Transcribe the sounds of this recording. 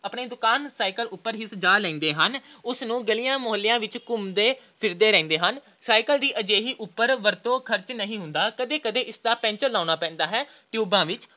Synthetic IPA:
əpɳeːd̪ʊkaːnsaːikəlʊpːəɾɦiːsəd͡ʒaːlɛ̃ːnd̪eːɦənʊsnũːɡəlijãːmʊɦəlːɪjãːʋɪt͡ʃkʊmd̪eːpʰɪɾd̪eːɾɛ̃ːnd̪eːɦən | saːikəld̪iːʔəd͡ʒeːɦiːʔʊpːəɾʋəɾt̪õːkʰəɾt͡ʃnəɦĩːɦʊ̃nd̪aːkəd̪eːkəd̪eːʔɪsd̪aːpɛ̃ːɲt͡ʃəɾlaːʊnaːpɛ̃ːnd̪aːɦɛː | ʈjuːbãːʋɪt͡ʃ

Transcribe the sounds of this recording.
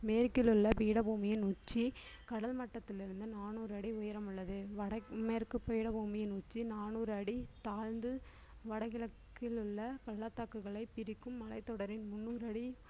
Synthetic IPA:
meːɾkɪlɯɭːɐpiːɽɐbuːmɪjɪnʊt͡ʃːikɐɽɐlmɐʈːɐt̪ːɪlɪɾɯnd̪ɯnaːnuːɾɐɽiʊjɐɾɐmɯɭːɐðɯʋɐɽɐmeːɾkɯpːɐjɪɽɐbuːmɪjɪnʊt͡ʃːinaːnuːɾɐɽit̪aːlnd̪ɯ | ʋɐɽɐɣɪlɐkːɪlɯɭːɐkɐɭːat̪ːaːkːɯɣɐɭɐɪpɪɾɪkːɯmːɐlɐɪt̪ːɔɽɐɾɪnmʊnːuːɾɐɽi

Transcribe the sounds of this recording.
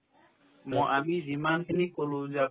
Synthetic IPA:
mɔʔamizimankinikolũza

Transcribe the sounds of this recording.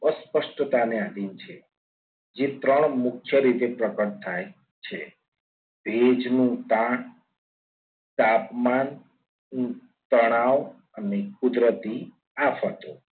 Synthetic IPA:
əspəʃʈt̪aneãd̪int͡ʃʰe | d͡ʒet̪ɾəɳ̃mʊkʰjəɾit̪epɾəkəɳt̪ʰaj | t͡ʃʰe | bʱed͡ʒnũt̪ãk | t̪apman | t̪əɽ̃aw | ənekʊd̪ɾət̪i | apɦət̪o

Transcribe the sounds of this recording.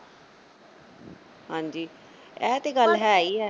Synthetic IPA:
ɦãːd͡ʒiː | ɛːt̪eɡəlɦɛːaːiɛː

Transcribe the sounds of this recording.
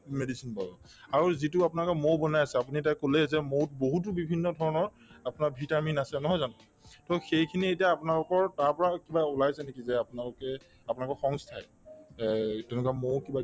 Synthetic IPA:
medisinpabɔ̰ | aɹuzit̬ʊapunalʊkɛmowbɔnajasɛap̬unitajkolɛzɛmowt̚boɦut̬ubibʱinːɔdʱɔɹɔnɔɹ | apʊnaɹbʱitaminasɛnɔɦɔjzanɔ | tɔxejkʰinietijaːpunalʊkɔɹtaɹpɔɹakibaulajsɛnekizɛapʊnalʊkɛ | apʊnalɔkɔxɔŋstʰaj | tɛnukamowkiba

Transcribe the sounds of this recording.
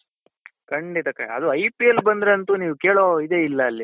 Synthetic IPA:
kɐɳɖit̪ɐkɐ̰ɭ̰ɐ̰d̪uɐjpiɐlbɐnd̪ɾeɐnt̪uniːʋuke̞ːɭoid̪e̞ːilːɐːlːi

